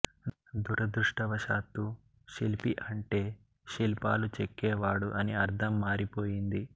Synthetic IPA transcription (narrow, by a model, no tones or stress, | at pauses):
d̪uɾɐd̪ɾuʂʈɐʋɐʃaːt̪ːu | ʃilpiʔɐɳʈe̞ː | ʃilpa̰ːlut͡ʃekːɛːʋaːɽuʔɐniɐɾd̪ʱɐmːaːɾipo̞ːjind̪i